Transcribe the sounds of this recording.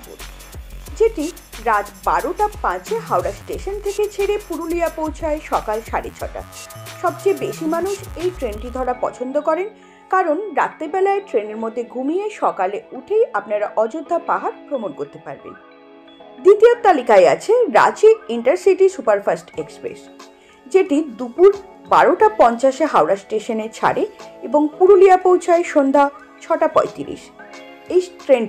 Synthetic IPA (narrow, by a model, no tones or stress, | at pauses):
d͡ʑeʈi | ɾad͡ʑbaɾoʈapːãt͡ɕʰeɦawɾasʈeʃont̪ʰeket͡ɕʰeɽepuɾuliapowt͡ɕʰaeʃɔkalʃaɾḭt͡ɕʰɔ̰ʈa̰ʃɔb̚t͡ɕebeʃimanuʃejʈɾenʈid̪ʱɔɽapɔ̰t͡ɕʰond̪okɔɾen | kaɾonɾa̰t̪ːebɛlaeʈɾeneɾmod̪ʱːeɡʱumijeʃɔkaleuʈʰejapnaɾʔɔd͡ʑod̪ʱːapaɦaɾpɾomonkoɾt̪epa̰ɾbḛn | d̪it̪iot̪alikaea̰t͡ɕʰeɾa̰t͡ɕiɡiɳʈaɾsiʈisupaɾfasʈekspɾḛs | d͡ʑeʈid̪upuɾ | ba̰ɾoʈapɔnt͡ɕaʃeɦawɾasʈeʃonet͡ɕʰa̰ɽeeboŋpuɾoliapowt͡ɕʰaeʃond̪ʱa | t͡ɕʰɔʈapɔ̰et̪ḭɾḭʃ | ejʈɾen